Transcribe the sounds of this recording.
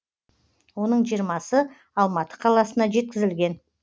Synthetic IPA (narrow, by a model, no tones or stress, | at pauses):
wo̞nəɴʒijɾmɑsə | ɑlˠmɑt̪ə̥qʰɑlˠɑsənɑʒe̞t̪̚kʲɪzɪlɡʲe̞n